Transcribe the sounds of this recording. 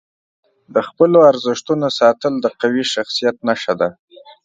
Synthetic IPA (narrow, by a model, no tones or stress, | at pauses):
d̪əxpəloaɾzɪʃt̪unosɑt̪əld̪əqawiʃaxsijat̪naʃad̪a